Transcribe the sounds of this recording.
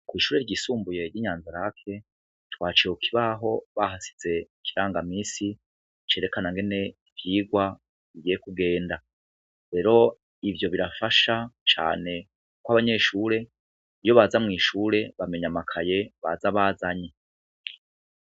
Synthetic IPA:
kwiːʃuːɾe̞ɾɟisuːmbuje̞ɾɟiːɲaːnzaɾakʰe̞ | twaːt͡ʃeukʰiβaɦo̞βahasi̥z̥e̞ | kiɾaːŋɡamiːsi | t͡ʃe̞ɾe̞kanaŋɡe̞ne̞ivjiːɡwa | βiɡijekuɡe̞ːnda | ɾe̞ɾo̞ | ivjo̞βiɾafaʃat͡ʃa̰ːne̞ | kwaβaɲe̞ʃuːɾe̞ | ijo̞βazamŋiːʃuːɾe̞βame̞ɲamakʰaje̞βazaβaːzaɲe

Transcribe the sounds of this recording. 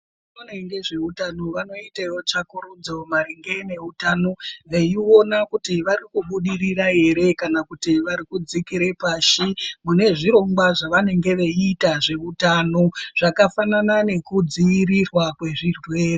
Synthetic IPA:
inoneŋɡe̞ʐe̞utano̞ʋano̞itejot͡ʃakuɾud͡zo̞maɾiŋɡe̞ne̞utaːno̞ʋeio̞nakutiʋaɾikuɓuɗiriraɦe̞ɾe̞kanakutiʋaɾikud͡zikiɾe̞paːʃimune̞ʐiɾo̞ŋɡwaʐaʋane̞ŋɡe̞ʋeitaʐe̞utano̞ʐ̥akafananane̞kud͡ziːɾirwakwe̞ʐirwe̞ːre

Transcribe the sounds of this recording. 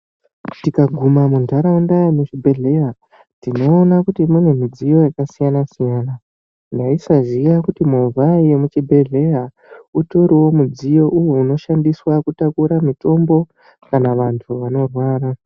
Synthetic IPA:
tikaɡʱumamundʱaɾaundajamut͡ʃibʱe̞ɮe̞ja | tino̞ːnakutimune̞mid͡zijo̞jakasijanasijaːna | ndaisazijakutimovʱaijemut͡ʃibʱe̞ɮe̞ja | uto̞ɾiwo̞mud͡zijo̞ʔujouno̞ʃandiswakutakuɾamito̞mbo̞ | kanaʋantʰuʋano̞rwaːɾa

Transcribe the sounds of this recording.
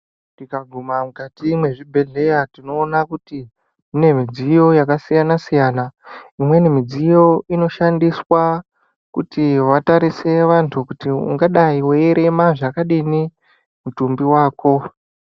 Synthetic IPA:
nikaɡʱumamukatimwe̞ʐibʱe̞ɮe̞jatino̞ːnakuti | ine̞mid͡zijo̞jakasijanasijaːnaimwe̞nemid͡zijo̞ino̞ʃandiswa | kutiʋataɾise̞ʋantʰukutiṵŋɡaɗaiweeɾe̞maʐakaɗini | mutumbiwaːko̞

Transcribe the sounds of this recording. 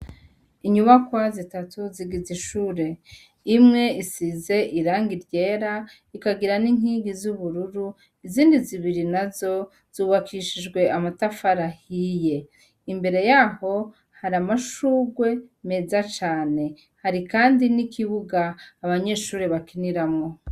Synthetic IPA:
iɲuβakwazitatuziɡiziʃuːɾe̞ | imŋe̞isize̞ʔiɾaːŋɡiɾɟe̞ːɾa | ikaɡiɾaniŋ̥hiːɡizuβuɾuɾu | iziːndiziβiɾinazo̞ | z̥uːβakʰiʃid͡ʒɡwe̞ʔamatafaɾahije̞ | imbe̞ɾe̞jaːho̞ | haɾamaʃuːɡwe̞me̞zat͡ʃaːne̞ | haɾikaːndinikʰiβuɡaːβaɲe̞ːʃuːɾe̞βakiniɾamŋo̞

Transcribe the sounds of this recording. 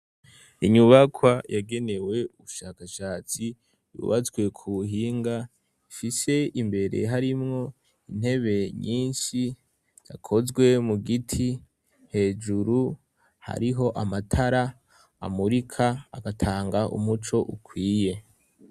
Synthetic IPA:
iɲuβakʰwajaɡe̞ne̞we̞uβuʃaːkaʃaːt͡si | jṵβazɡwe̞kʰuuɦiːŋɡa | ifise̞imbe̞ɾe̞̰ɦaɾimŋo̞ | in̥he̞βe̞ɲiːnʃi | ɟ̥a̰kʰo̞zɡwe̞muɡitʰi | he̞ːd͡ʒuɾu | ha̰ɾiɦo̞ʔamatʰaɾa̰ː | muɾikʰaːɡatʰaːŋɡaʔṵmut͡ʃo̞ʔukʰwiːje̞

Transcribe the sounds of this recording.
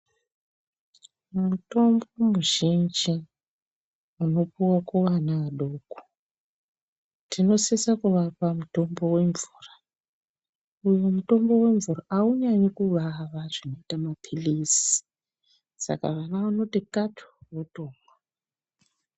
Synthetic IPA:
muto̞mbo̞muʒind͡ʒi | uno̞puwakoʋanaaɗoːko̥ | tʰino̞sesakuʋapamuto̞mbo̞we̞ɱvuːra | ujomuto̞mbo̞we̞ɱvuraʔauɲaɲekuʋaʋaʐino̞itamapʰilisi̥ | sa̰ka̰ʋanaʋano̞tikatʰo̥wotoːŋwa

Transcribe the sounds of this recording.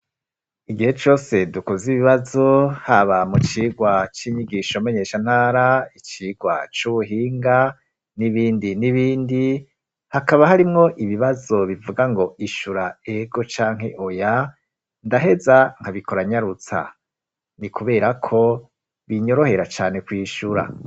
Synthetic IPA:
iɡihe̞t͡ʃo̞ːse̞dukoziβiβazo̞haβamut͡ʃiːɡwat͡ʃiɲiɡiʃome̞ɲe̞ʃan̥haːɾait͡ʃiːɡwa̰t͡ʃuβuɦiːŋɡa | niβiːndiniβiːndi | hakaβahaɾimŋo̞ʔiβiβazo̞βivuɡaŋɡo̞ʔiʃuɾae̞ɡo̞t͡ʃaːŋ̥he̞ʔoja | ndaɦe̞zaŋ̥haβikoɾaɲaɾut͡sa̰ | nikuβe̞ːɾakʰo̞ | βiɲo̞ɾo̞he̞ɾat͡ʃaːne̞kwiːʃuɾa̰

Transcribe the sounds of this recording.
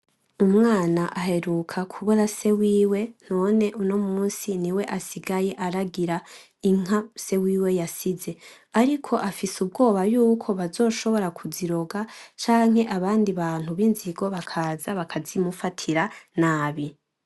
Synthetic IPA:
umŋaːnaʔahe̞ɾukʰakʰuβoɾase̞wiːwe̞n̥o̞ːne̞ʔuno̞muːnsiniwe̞ʔasiɡaje̞ʔaɾaɡiɾa | iŋ̥ase̞wiːwe̞jasize̞ | aɾikʰo̞ʔafisub̚ɡo̞ːβajuːkʰo̞βazo̞ːʃo̞βo̞ɾakʰuziɾo̞ɡat͡ʃaːŋ̥he̞ʔaβaːndiβaːn̥huβinziɡo̞βakʰaːzaβakʰazimufatʰiɾanaːβi

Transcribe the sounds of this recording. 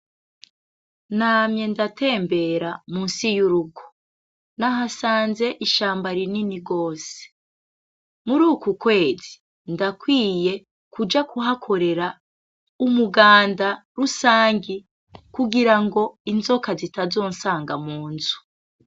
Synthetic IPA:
namje̞ndate̞ːmbe̞ɾamuːnsijuɾub̚ɡo | naɦasaːnze̞ʔiʃaːmbaɾininiɡo̞ːse̥ | muɾuːkukwe̞ːzi | ndakwiːje | kud͡ʒakʰuɦakʰo̞ɾe̞ɾa | umuɡaːndaɾusaːŋɡi | kuɡiɾaŋɡo̞inzo̞kazitazo̞ːnsaːŋɡamuːnzu̥

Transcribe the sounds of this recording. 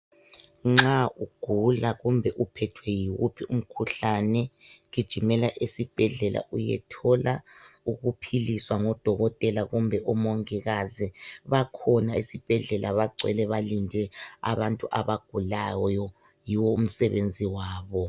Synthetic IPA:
ŋ͡ǁauɡ̥ʱulaɣumbʱɛʔupʰɛtʰwɛjiɣṵpʰium̩kʰuɬanɛɣid̥ʒ̥ʱimɛlaʔisib̥ʱɛɮɛlʔa̰ʔujɛ̰tʰɔlauɣupʰiliswaŋɔd̥ʱɔɣɔtʼɛlaɣumbʱɛʔɔmoŋiɣaziβakʰɔnaisib̥ʱɛɮɛlʔaβaɡ͡ǀʱwɛ̰lɛβalindʱɛa̰βantʼuʔaβaɡ̥ʱulajɔjɔ | jiwɔum̩sɛβend͡zʱiwaːβɔ

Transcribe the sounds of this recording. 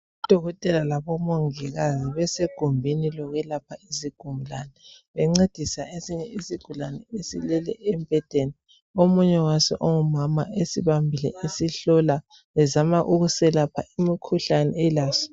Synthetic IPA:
ud̥ʱɔɣɔtʼɛlalaβɔmoŋiɣaziβɛseɡ̥ʱumbʱinilɔɣɛlapʰaiziɡ̥ʱumulanɛ | βɛŋ͡ǀed̥ʱisaesiɲɛisiɡ̥ʱulanɛesḭlɛlɛ̰ʔɛmpɛd̥ʱeni | omuɲɛwasɛ̰ʔoŋumamaʔesiβambʱilɛ̰ʔesiɬɔla | βɛzamaʔuɣusɛlapʰaimikʰuɬanɛ̰ɛlaːsɔ̥

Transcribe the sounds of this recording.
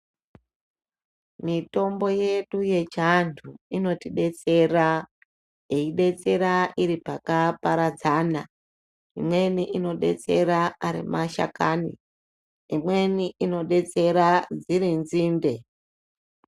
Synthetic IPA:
mito̞mbo̞je̞ɗuje̞t͡ʃantʰuino̞tiɗe̞t͡se̞ra | eiɗe̞t͡se̞ɾaʔiɾipakapaɾad͡zaːna | imwe̞niʔino̞ɗe̞̰t͡se̞ɾaaɾḭmaʃa̰ka̰ːnḭ | imwe̞niʔino̞ɗe̞t͡se̞ɾad͡ziɾinziːmbe̞

